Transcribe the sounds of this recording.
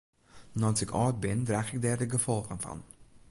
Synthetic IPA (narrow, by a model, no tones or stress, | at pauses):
nɑnsɛkɑːrt̚bɪndræːχɪk̚dɛːrdəɡəfɔlˠχənfɐ̰n